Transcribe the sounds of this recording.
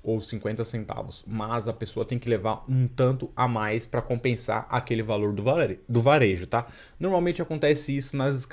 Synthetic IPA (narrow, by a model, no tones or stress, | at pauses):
owsĩŋkwẽnt̪ɐsẽnt̪a̰vʊsmɐzɐpesoɐt̪ẽj̃kɪlevaɾũt̪ɐ̃nt̪ʊamajspɾɐkõpẽsa̰ɾʔakelɪvaloɾd̪ʊad̪ʊvaɾeʒʊt̪a | noɾmawmẽnt͡ʃɪakõnt̪ɛsɪisʊnɐzɪsk